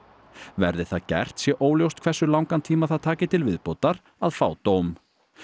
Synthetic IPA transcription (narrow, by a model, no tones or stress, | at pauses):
vɛ̰ɾðɪθaðcɛ̰r̥t̪sjɛʔoːwljowst̪̚kʰvɛrsʏlawŋkant̪ʰiːmaθaðt̪ʰaːcɪt̪ʰɪlvɪðpowt̪aɾ | aðfa̰ːwt̪awm